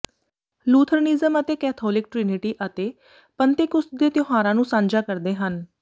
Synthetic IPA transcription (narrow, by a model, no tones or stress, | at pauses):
luːt̪ʰəɾnizəmət̪eːkɛːt̪ʰɔːlɪkʈɾɪnɪʈiːʔət̪eː | pənt̪ɪkʊsd̪eːt̪joɦaːɾãːnũːsãːnd͡ʒaːkəɾd̪eːɦən